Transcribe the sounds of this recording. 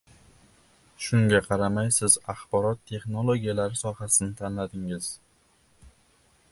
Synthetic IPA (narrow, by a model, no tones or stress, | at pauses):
ʃʊŋɡʲaqʰɑɾamajsɪzɑχbɒɾɒt̪ʰːe̞χnolˠoɡʲijalaɾɪsɒhasɪnɪt̪ʰanlad̪ɪŋɪz̥